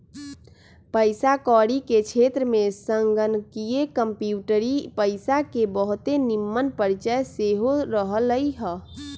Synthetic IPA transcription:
pəɪsakɔɽiket͡ʃʰet̪ɾəmesəŋɡənkijekəmpjuʈəɾipəɪsakebəɦut̪enimːənpəɾt͡ʃəjseɦoɾəɦələjɦə

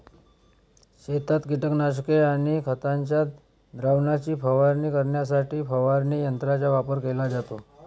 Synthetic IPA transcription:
ɕet̪at̪ɡiʈəknaʂkeaɽ̃ikʰət̪aɲt͡ɕjat̪ | d̪ɾaʋnat͡ɕiːpəʋaɾniːkəɾɳjasaʈiːfəʋaɾniːjənt̪ɾat͡ɕaʋapəɾkelad͡zat̪o

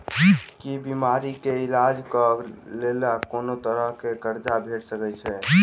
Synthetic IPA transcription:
kibimaɾikeilad͡ʒkəlelakonot̪əɾəɦkekəɾd͡ʒabʱeʈsəkɛt͡ʃʰɛ

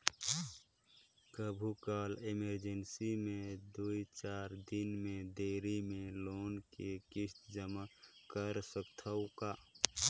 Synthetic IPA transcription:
kəbʱukaːlɪməɾd͡ʒənsimẽd̪uit͡ʃaːɾd̪ɪnmẽd̪eːɾimẽloːnkekɪst̪d͡ʒəmakəɾsəkt̪ʰəwkaː

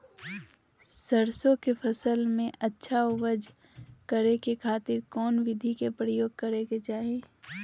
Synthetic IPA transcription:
səɾsõkepʰɐsəlmẽʔɐtːʃʰaoʋəd͡ʒ | kəɾekekʰaːt̪ɪɾkɔːnʋɪd̪ʱikepɾəjoːɡ̚kɐɾeket͡ʃaːɦieː

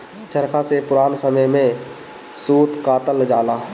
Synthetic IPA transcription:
t͡ʃəɾkʰasepʊɾaːnsəməjmẽ | suːt̪kaːt̪əld͡ʒaːlaː

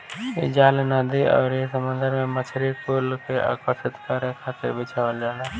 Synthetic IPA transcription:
jḛd͡ʒaːlnaːd̪iɔ̰ːɾjesəmə̃nd̪əɾmẽmət͡ʃʰɾikoːlkeʔa̰ːkəʃɪt̪kaɾekʰaːt̪ɪ̰ɾbɪt͡ʃʰaːʋəld͡ʒaːnaː

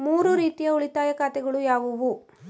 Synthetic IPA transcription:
muːɾuɾiːt̪ijɐuɭit̪aːjɐkaːt̪ɛɡɐɭujaːʋuʋu

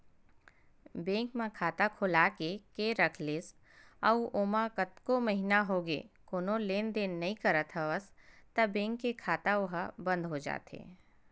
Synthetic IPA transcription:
bẽːŋkmãkʰaːt̪akʰʊlaːkekeɾɐkʰleːs | ɐuʔoːmakət̪komɐɦinaɦoːɡḛkoːnõleːnd̪eːnɐɦĩkɐɾət̪ʰɦəʋəst̪ɐbẽːŋkːekʰaːt̪aʊɦabə̃nd̪ɦod͡ʒa̰ːt̪ḛː

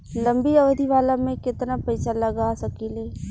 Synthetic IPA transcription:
lɐ̃mbiɐʋd̪ʱiʋaːlamẽkɪt̪napɐɪsalɐɡasɐkileː

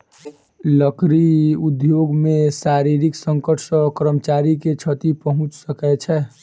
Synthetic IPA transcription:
ləkɾiud̪joɡmẽsaɾiɾiksəŋkəʈʰsə̃kɾəmət͡ʃaːɾiket͡ʃʰət̪ipəɦʊ̃t͡ʃsəkɛt͡ʃʰɛ

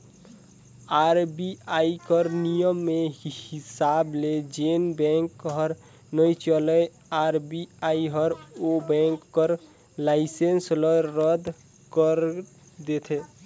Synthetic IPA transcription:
aɾbiaikəɾnijəmːehisabled͡ʒenbɛ̃ŋkɦəɾ | nəjt͡ʃələ | aɾbiaiɦəɾobɛ̃ŋkːəɾ | laɪsensləːəd̪ʱ | kəɾ | d̪et̪ʰe

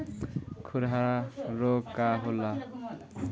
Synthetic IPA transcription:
kʰuɾɦaɾokːaɦola

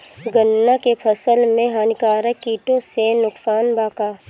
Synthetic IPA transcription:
ɡənːakepʰəsəlmẽɦaːnɪkaːɾəkːiːʈõsenʊksaːnbaːkaː

